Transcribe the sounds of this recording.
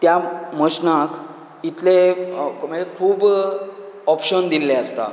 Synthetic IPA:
t̪jaməɕnak | it̪leməɡekʰuːb | ɔpɕənd̪ilːeəst̪a̰

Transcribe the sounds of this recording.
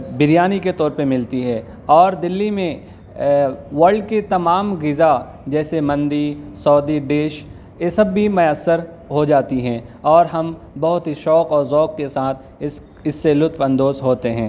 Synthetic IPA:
bɪɾjaːniket̪ɔːɾpəmɪlt̪iɦɛː | ɔːɾd̪ɪlːimẽ | ʋɐlɖ̚ket̪ɐmaːmɡɪza | d͡ʒɛːsemɐ̃nd̪isɔːd̪iɖeːʃ | jesɐbːimʊjəsːəɾ | ɦod͡ʒaːt̪iɦɛ̃ːɔːɾɦɐm | bɐɦʊt̪ɦiʃɔːkɔːɾzɔːkkesaːt̪̚ʰ | ɪs | ɪsːelʊt̪fɐ̃nd̪oːzɦoːt̪eɦɛ̃ː

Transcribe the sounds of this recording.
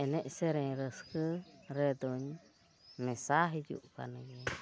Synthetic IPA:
ɛnɛʔsɛɾɛɲɾəskəɾɛd̪ɔɲ | mɛsaɦid͡ʒṵʔka̰nəɡɛ

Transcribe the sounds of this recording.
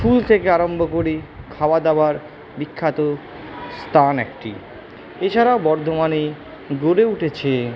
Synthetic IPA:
fult̪ʰekeaɾombʱokoɾikʰawad̪abaɾ | bikʰːat̪o | st̪ʰanɛkʈḭ | et͡ɕʰaɾaobɔɾd̪ʱomani | ɡoɾeuʈʰet͡ɕʰe

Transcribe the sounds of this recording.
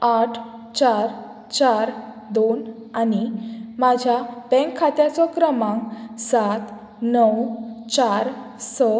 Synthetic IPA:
aʈʰ | t͡ɕaɾ | t͡ɕaɾ | d̪on | animad͡ʑʱjabɛ̃ŋkʰːat̪jat͡sɔkɾəmãŋsat̪ | nəwt͡ɕaɾ | sɔ

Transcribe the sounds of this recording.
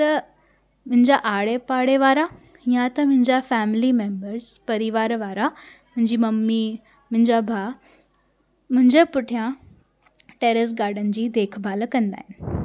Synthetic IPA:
t̪ɐ | mʊ̃ɦɪ̃ɲd͡ʑaʔaːɽepaːɽeʋaːɾa | jãt̪ɐmʊ̃ɦɪ̃ɲd͡ʑafɛːmɪlimẽːmbəɾzpɐɾɪʋaːɾʋaːɾamʊ̃ɦɪ̃ɲd͡ʑiːmɐmːi | mʊ̃ɦɪ̃ɲd͡ʑabʱaː | mʊ̃ɦɪ̃ɲd͡ʑepʊʈʰijã | ʈeːɾəs̬ɡaːɾɖənɪ̆d͡ʑiːd̪eːkʰbʱaːlkɐ̃nd̪a̰ːɦɪnɪ̆

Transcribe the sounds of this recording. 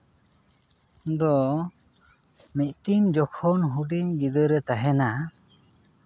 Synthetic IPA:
d̪ɔ | mic̪̚ʈind͡ʒɔkʰɔnɦuɖiɲɡid̪əɾɛt̪aɦɛna

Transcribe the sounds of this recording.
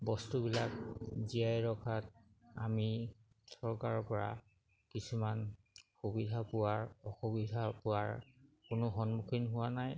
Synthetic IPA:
bɔstubilakziajɹɔkʰat̚ | a̰mi | sɔɹkaɹɔpɔɹa̰ | kisuman | xubidʱapʊwaɹɔxubidʱapʊwaɹkʊnʊxɔnmukʰinɦʊwanaj

